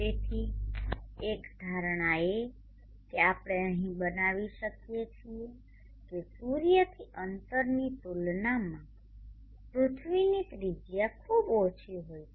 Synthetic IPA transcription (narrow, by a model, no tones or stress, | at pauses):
et̪ʰi | ekd̪ʱaɾɳ̃ae | keapɽ̃eəɦĩbənaʋiʃəkjet͡ʃʰije | kesuɾjət̪ʰiʔənt̪əɾnit̪ulnamã | pɾʊt̪ʰʋinit̪ɾid͡ʒjakʰubot͡ʃʰiɦoj